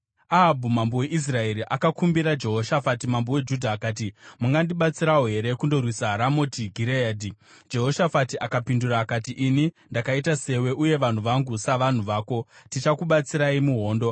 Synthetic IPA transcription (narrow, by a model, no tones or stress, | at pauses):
aɦabʱumambowe̞ʔis̬rae̞ɾiʔakakumbiɾad͡ʒe̞ɦo̞ʃafatimambowe̞d͡ʒudʱaːkaːt̬imuŋɡandiɓat͡siɾaoɦe̞ɾe̞kundo̞rwisaɦaɾamo̞tiɡʱiɾeaːdi | d͡ʒe̞ɦo̞ʃafatiʔakapinduɾaːkatiʔini | ndakaitase̞we̞ʔuje̞ʋan̤uʋaŋɡusaʋan̤uʋaːko̞tit͡ʃakuɓat͡siɾaimuɦo̞ːndo̞